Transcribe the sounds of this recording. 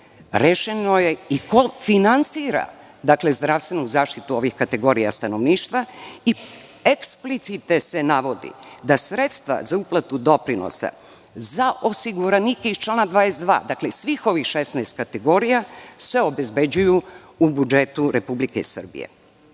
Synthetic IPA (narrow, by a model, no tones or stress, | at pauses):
ɾeʃenoje̞iko̞finant̪siːɾa̰ | d̪akle̞zd̪ɾaʋst̪ʋe̞nuzaːʃt̪it̪uo̞ʋixkat̪e̞ɡo̞ɾija̰st̪ano̞ʋniːʃt̪ʋai | eksplit̪sit̪ese̞naʋo̞d̪ḭd̪asɾe̞t̪st̪ʋa̰zauplˠat̪ud̪o̞pɾino̰sa̰ | zaʔo̞siɡuɾanikeist͡ʃlaːnad̪ʋaːjesd̪ʋa̰ːd̪aklesʋiːxo̞ʋixʃesnɛːst̪̚kat̪e̞ɡo̞ɾijasʋe̞o̞be̞zbe̞d͡ʑujuː | bud͡ʒe̞t̪uɾe̞publikesr̩bḭjḛ